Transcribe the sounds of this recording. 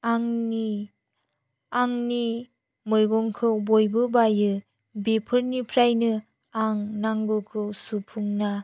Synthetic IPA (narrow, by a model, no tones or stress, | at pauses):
aŋni | aŋni | mɔjɡɔŋkʰɯwbojbɯbajɯ | bepʰɯɾnipʰɾajnɯ | aŋnaŋɡɔkʰɯwsupʰuŋna